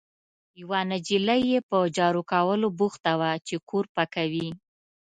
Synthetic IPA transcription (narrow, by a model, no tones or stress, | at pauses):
jawanad͡ʒilajepəd͡ʒɑɾukawəlobuxt̪awat͡ʃekʰoɾpakawi